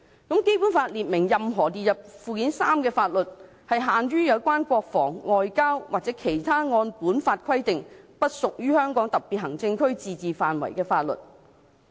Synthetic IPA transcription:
kɐ˨˥mke˥jpuː˨˥nfaː˧t̚liː˨t̚mɪ˨˩ŋjɐ˨mɦɔː˨˩t̪iː˨t̚jɐ˨p̚fuː˧kiː˨˥nsaː˥mkɛː˧faː˧t̚lɵ˨t̚ | hɐ˨jɦaː˨nɥyː˥jɐ˨˧wkʷaː˥nkʷɔː˧k̚fɔ̰ː˨˩ŋŋɔː˨jkaː˥wwʔaː˨˩t͡sɛː˨˥kʰe˨˩jt̪ʰaː˥ŋɔː˧npuː˨˥nfaː˧t̚kʰɐ˥jt̪ɪ˨ŋpɐ˥t̚sʊ˨k̚jyː˥hœː˥ŋkɔː˨˥ŋt̪ɐ˨k̚piː˨t̚ɦɐ˨˩ŋt͡sɪ˧ŋkʰɵ˥ɥt͡siː˨t͡siː˨faː˨nwɐ̰˨˩jkɛː˧faː˧t̚lɵ̰˨t̚

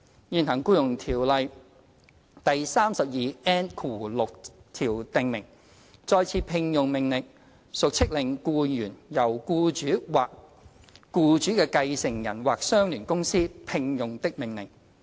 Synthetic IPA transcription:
jiː˨˧nɦɐ˨˩ŋkuː˥jʊ˨˩ŋt̪ʰiː˨˩wlɐ˨j | t̪ɐ˨jsaː˥msɐ˨p̚jiː˨ɛː˥nkʰuː˨˩lʊ˨k̚t̪ʰiː˨˩wt̪ɪ˨ŋmɪ˨˩ŋ | t͡sɔː˧jt͡sʰiː˧pʰɪ˧ŋjʊ˨ŋmɪ˨˩ŋlɪ˨ŋ̚ | sʊ˨k̚t͡sʰɪ˥k̚lɪ˨˩ŋkuː˧jyː˨˩njɐ˨˩wkuː˧t͡ʃyː˨˥waː˨kː | uː˧t͡ʃyː˨˥kɛː˧kɐ˧jsɪ˨˩ŋjɐ̰˨˩nwaː˨k̚sœː˥ŋlyː˨˩nkʊ˥ŋsiː˥pʰɪ˧ŋjʊ˨ŋt̪ɪ˥k̚mɪ˨˩ŋlɪ̰˨˩ŋ

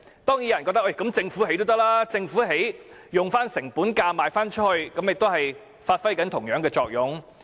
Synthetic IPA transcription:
t̪ɔː˥ŋjiː˨˥jɐ˨˩nkɔ˧t̪ɐ˥ʔjkɐ˨˥mt͡sɪ˧ŋfu˨˥he˧˥jt̪o˥t̪ɐ˥laː˥t͡sɪ˧ŋfuː˨˥ɦe˨˥jjʊ˨ŋfaː˥nsɪ˨˩ŋpuː˨˥nkaː˧maː˨˧jfaː˥nt͡ʃʰɵ˥t̚hɵ˧ɥkɐ˨˥mjɪ˨k̚t̪ɦɐ˨j | faː˧t̚fɐ˥jkɐ˨˥nt̪ʰʊ˨˩ŋjœː˨˥ŋkɛː˧t͡sɔː˧k̚jʊ˨˥ŋ

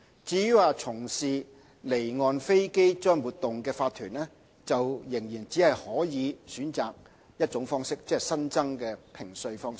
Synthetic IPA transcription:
t͡siː˨˧˥jyː˨˥waː˨˧t͡sʰʊ˨˩ŋsiː˨ | le˨˩jŋɔː˨nfe˥jke˥jt͡ʃœː˥ŋwuː˨t̪̚ʊ˨ŋkɛː˧faː˧t̪ʰyː˨˩nlɛː˥ | t͡sɐ˨wjɪ˨˩ŋjiː˨˩nt͡siː˨˥hɐ˨jhɔː˨˥jiː˨˧syː˨˥nt͡saː˨k̚ | jɐ˥t̚t͡ʃʊ˨˥ŋfɔː˥ŋsɪ˥k̚t͡sɛː˥ɛ˨˩sɐ˥nt͡sɐ˥ŋkɛː˧pʰɪ˨˩ŋsɵ˧ɥfɔː˥ŋsɪ˥

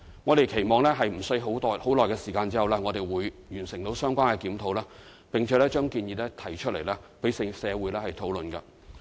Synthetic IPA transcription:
ŋɔː˨˧t̪e˨jkʰe˨˩jmɔː˨˧ŋlɛ˥ɦɐ˨jm̩˨˩sɵ˧ɥɦo˨˥w̪ho˨˥wlɔː˨jkɛ˧siː˨˩kaː˧nt͡siː˥hɐ˨wlɛː˥ŋɔː˨˧t̪e˨jwuː˨˧jjyː˨˩nsɪ˨˩ŋt̪o˨˥wsœː˥ŋkʷaː˥nkɛː˧kiː˨˥mt̪ʰo˨˧wlɛː˥ | pɪ˨ŋt͡ʃʰɛː˨˧˥lɛː˥t͡ʃœː˥ŋkiː˧njiː˧lɛː˥t̪ʰɐ˨˩jt͡ʃʰɵ˥le˨˩jlɛː˥pe˨˥jssɛː˨˧wu˨˧˥jlɛː˥hɐ˨jt̪ʰo˨˥wlɵ˨nkɐ̰˧

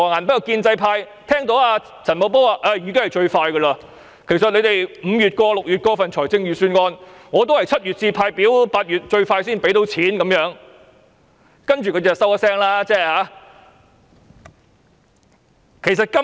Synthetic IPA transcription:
ɔ˨˩ŋaː˨˩npɐ˥kːɐ˨˧wkiː˧nt͡sɐ˧jpʰaː˧j | t̪ʰɛː˥ŋt̪o˨˥waː˧ | t͡sʰɐ˨˩nmo˨˧wp̬ɔː˥waː˨˧˩ʔɐ˧˩jyː˨kɪ˥ŋhɐ˨jt͡ʃɵ˧ɥfaː˧jkə˧laː˧ | kʰe˨˩jsɐ˨t̚le˨˧jt̪e˨jm̩˨˧jyː˨t̚kɔː˧lʊ˨k̚jy˨t̚kɔː˧˥fɐ˨nt͡ʃʰɔː˨˩jt͡sɪ˧ŋjyː˨˧syː˧nŋɔː˧nŋɔː˨˧t̪o˥whɐ˨jt͡sʰɐ˥t̚jyː˨t̚t͡siː˧˩pʰaː˧jpiː˨˥wpaː˧t̚jyː˨t̚t͡ʃɵ˧ɥfaː˧jsiː˥npe˨˥jt̪o˨˥wt͡sʰiː˨˥nkɐ˨˧˥mjœː˨˥ŋ | kɐ˥nt͡ʃyː˨kʰtt͡sɛ˨˩sɐ˥wa˥sɛː˥ŋlaː˥t͡sɛː˥haː˨˥ | kʰe˨˩js̬ɐ˨t̚kɐ˥

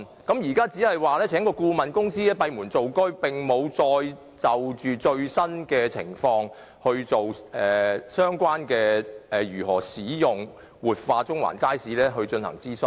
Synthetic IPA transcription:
kɐ˨˥mjiː˨˩kaː˥t͡siː˨˥hɐ˨˩jwaː˨˩lɛː˥t͡sʰɛː˨˥ŋkɔː˧kuː˧mɐ˨nkʊ˥ŋsiː˥lɛː˥pɐ˧jmuː˨˩nt͡so˨wkɵ˥ɥpɪ˨ŋmo˨˧wt͡sɔː˧j | t͡sɐ˨wt͡ʃyː˨t͡ʃɵ˧ɥsɐ˥nkɛː˧t͡sʰɪ̰˨˩ŋfɔː˧ŋ | hɵ˧ɥt͡so˨wʔɛː˨˩sœː˥ŋkʷaː˥nkɛː˧ʔɛː˨jyː˨˩ɦɔ̰ː˨˩siː˨˥jʊ˨ŋ | wuː˨t̚faː˧t͡sʊ˥ŋwa̰ː˨˩nkaː˥jsiː˨˥lɛː˥ɦɵ˧ɥt͡ʃɵ˧nhɐ̰˨˩ŋt͡siː˥sɵ˧˩n

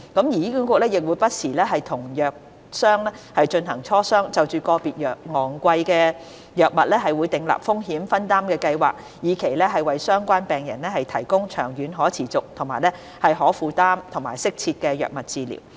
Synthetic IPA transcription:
kɐ˨˥mjiː˨˩jiː˥ky˨˥nkʷɔː˧˥lɛː˥jɪ˨k̚wuː˨˧jpɐ˥t̚siː˨˩lɛː˥ɦɐ˨jt̪ʰʊ˨˩ŋjœː˨k̚ | sœː˥ŋlɛː˥hɐ˨jt͡ʃɵ˧nɦɐ˨˩ŋt͡ʃʰɔː˥sœː˥ŋt͡sɐ˨wt͡ʃyː˨˧kɔː˧piː˨t̚jœː˨k̚ŋɔː˨ŋkʷɐ˧jkɛː˧ | jœː˨k̚mɐ˨t̚lɛː˥ɦɐ˨jwuː˨˧jt̪ɪ˨˧ŋla̰ː˨˩p̚fʊ˥ŋɦiː˨˥mfɐ˥nt̪aː˥mkɛː˧kɐ˧jwa̰ː˨k̚ | jiː˨˩kʰe˨˩jlɛː˥ɦɐ˨jwɐ˨jsœː˥ŋkʷaː˥npɛː˨ŋjɐ˨˩nlɛ˥hɐ˨jt̪ʰɐ˨˩jkʊ˥ŋt͡ʃʰœː˨˩ŋjyː˨˧˥nɦɔː˨˥t͡sʰiː˨˩t͡sʊ˨k̚t̪ʰʊ˨˩ŋmaː˨˩jlɛ˥ | hɐ˨jɦɔː˨˥fuː˨˧t̪aː˥mt̪ʰʊ˨˩ŋmaː˨˩jsɪ˥k̚t͡sʰiː˧t̚kɛː˧jœ̰ː˨k̚mɐ˨t̚t͡siː˧lḭ˨˩w

